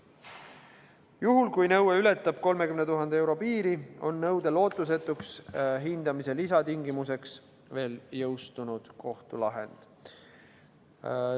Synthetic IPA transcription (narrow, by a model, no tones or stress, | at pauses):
juɦulkujnɤweylet̪ːˑɑb̥ko̞lmekymnet̪uɦɑnd̪ee̞wɾo̞piːɾio̞nːɤwd̪̥e̞lo̞ːt̪ˑːus̬e̞t̪ːˑuksɦind̪̥ɑmise̞lisɑt̪iŋɡimuse̞ks | ve̞ːljɤwst̪unud̪̥kʰo̞ht̪ulɑɦe̞̰nd̪̥